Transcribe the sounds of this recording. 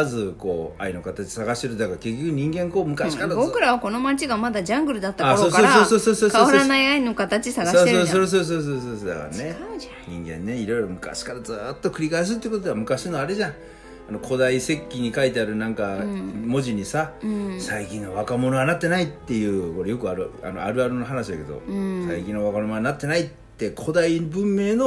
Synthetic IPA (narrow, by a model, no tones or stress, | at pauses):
azɨko̞̰ːa̰ino̞kat̪at͡ɕi̥saɡaɕit̪eɾɯ̟d̪d̪akaɾke̞k̬ʲːo̞kɯɲ̟ĩŋɡẽŋko̞ːmɯ̟kaɕi̥kaɾabokɯ̟ɾaβako̞no̞mat͡ɕiɡamad̪ad͡ʑãŋɡɯ̟ɾɯd̪at̪ːaasoːoːasoːsoːso̞ːsoːksaoːanaiainokat̪at͡ɕisaɡasoesosoɾos̬oːs̬oːs̬oːs̬oːsod̪a̰ka̰ɾa̰ne̞ | ɲḭ̃ŋɡẽ̞̰nːe̞iɾo̞iɾo̞mɯ̟ka̰ɕi̥kaɾazɨt̪ːo̞kɯ̟ɾʲikais̬ɨt̪ːeiɯ̟kot̪od̪eamɯ̟kaɕinoaɾeʑã | ano̞kʰo̞d̪aise̞kʲːiɲ̟ikait̪e̞aɾɯ̟nãŋkamo̞ʑiɲ̟isasaikʲĩnːoβakamo̞no̞ɡanat̪ːe̞nait̪ːe̞jɯ̟ːko̞ɾejo̞kɯaɾɯa̰no̞̰a̰ɾɯ̟aɾɯ̟noɦanaɕid̪ake̞d̪o̰sa̰ikʲĩnːoβakanomoanat̪ːe̞nait̪ːe̞kʰo̞d̪aibɯ̟̃mːe̞ːno̞